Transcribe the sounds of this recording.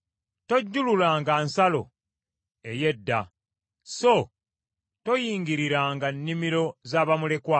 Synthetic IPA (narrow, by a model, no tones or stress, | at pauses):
to̞ɟːululaːŋɡansalo̞̰ | e̞je̞dːa̰ | so | to̞jiːŋɡiɾiɾaːŋɡanːimiɾo̞zaːβamule̞kwa